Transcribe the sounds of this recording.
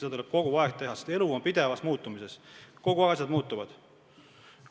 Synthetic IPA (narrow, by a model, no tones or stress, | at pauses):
eɑt̪uleb̥̚ko̞ɡ̥uvɑekt̪t̪e̞ɦɑsest̪e̞luompid̪e̞vɑsmuːt̪ːˑumise̞sko̞ɡ̥uɑsjɑd̪̥muːt̪ːˑuvɑd̪̥